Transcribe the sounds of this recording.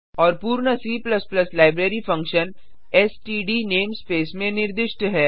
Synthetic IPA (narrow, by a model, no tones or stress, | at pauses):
ɔːɾpuːɾɳəsiːplɐsplɐslaːɪbɾeːɾifɐ̃ŋkʃən | ɛsʈiːɖineːmspeːsmẽnɪɾd̪ɪʃʈɦɛː